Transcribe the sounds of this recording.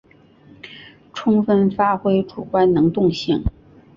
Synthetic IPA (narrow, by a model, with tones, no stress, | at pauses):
ʈ͡ʂʰʊ˥ŋfə˥nfa˥xwe˥ɪʈ͡ʂu˨˩kwa˥nnɤ˧˥ŋt̪ʊ˥˧ŋɕi˥˩ŋ